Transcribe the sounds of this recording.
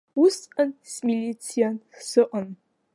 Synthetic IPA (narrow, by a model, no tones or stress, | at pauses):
wʊsqənsmilʲit͡sʰijansɨʔən